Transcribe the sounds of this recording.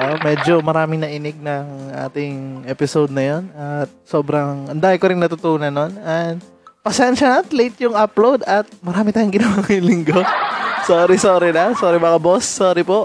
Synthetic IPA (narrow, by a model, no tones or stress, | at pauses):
omɛːd͡ʒo̞mɐɾaːmɪŋnɐʔinɪɡ̚nɐŋʔa̰ːt̪ɪŋʔɛpɪsowd̪̚nɐjo̞nɐt̪̚so̞ːbɾɐŋʔɐnd̪aːʔɪkoɾɪŋnɐt̪ʊt̪uːnɐnːonɐ | pɐsɛnʃɐnɐt̪lejt̪jʊŋaplowd̪ɐt̪̚mɐɾaːmɪt̪aːjʊŋɡɪnɐwaːkɐjʊŋlɪŋɡosoːɾɪsoːɾɪnɐsoːɾɛmɐkɐbosːoːɾɪpoʔ